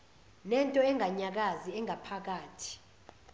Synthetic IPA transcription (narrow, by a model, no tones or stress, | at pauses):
nɛntʼɔɛŋɡʱaɲak̬aziɛŋɡʱapʰak̬aːtʰi̥